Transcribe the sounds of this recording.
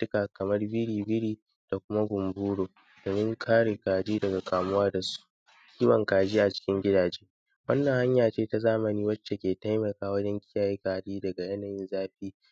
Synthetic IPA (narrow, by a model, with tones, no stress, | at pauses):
tʊ˦kaː˨kɐ˨mɐ˦rbɪ˦ɽiː˨bɪ˦ɽiː˦ | d̥a˨kʷʊ˦ma˦ɡʷʊ˨mbuː˦ɽoː˨ | d̥oː˨mɪ˦ŋkʰaː˦ɽeː˨kaː˨d͡ʒiː˦dɐ˨ɡa˨kʰaː˨mʊ˦waː˦da˨su̥˦ | kʲiː˦wɐ˨ŋkaː˨d͡ʒiː˦ʔa˨t͡ʃɪ̥˦kʲɪ˦ŋɡʲɪ˦daː˨d͡ʒeː˦ | wɐ˦nːɐ˨ŋha˦ɲjaː˨t͡ʃeː˦ta˨zaː˦mɐ˨niː˦wɐ˦t͡ʃːe˨kʲeː˨ta˦jmɐ˨kaː˨wɐ˦d͡ʒɛ˦ŋkʲɪ˦jaː˨ji˦kaː˨diː˦dɐ˨ɡa˨jɐ˦naː˨jɪ˦nzaː˦ɸiː˦